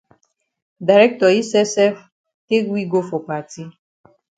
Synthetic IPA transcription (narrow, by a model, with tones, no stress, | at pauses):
da˨ɾɛ˦k̚tɔ˨i˦sɛ˦sɛ˦f | te˦kwi˦ɡo˦fɔ˨pa˨ti˦